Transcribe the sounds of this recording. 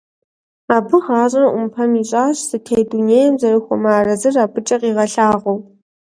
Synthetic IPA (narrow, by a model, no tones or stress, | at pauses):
aːbɨʁɑːɕʼɐɐʔʷʊmpʰɐmiːɕʼaːɕsɨtʰejduneːjɛmzɐɾɨxʷɔ̰maːrɐzɨraːpʰʼɨt͡ʃʼɐqiːʁɐɬaːʁʷow